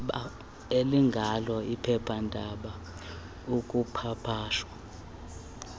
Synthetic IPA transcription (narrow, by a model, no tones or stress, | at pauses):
ɓa | eliŋɡʱalɔipʰɛpʰandʱaɓa | uk̬ʼupʰapʰaːʃwa